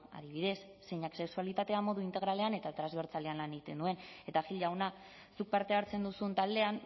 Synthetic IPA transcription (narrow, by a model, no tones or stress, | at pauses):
a̰ðiβ̞iðe̞sːe̞jɲakse̞ksualit̪at̪e̞amo̞ðuint̪e̞ɣ̞ɾale̞ane̞t̪at̪ɾazβe̞ɾt͡sale̞anlaneɣit̪e̞nd̪ue̞ne̞t̪axiʎawna | suk̚paɾt̪e̞aɾt͡se̞nd̪usunt̪ald̪e̞an